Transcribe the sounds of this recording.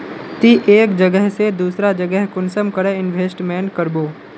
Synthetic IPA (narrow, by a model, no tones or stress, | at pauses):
t̪iʔeːkd͡ʒəɡəɦsed̪uːsɾad͡ʒəɡəɦkʊnsəmkəɾəɪnʋʱeːsʈmɛːnkəɾboː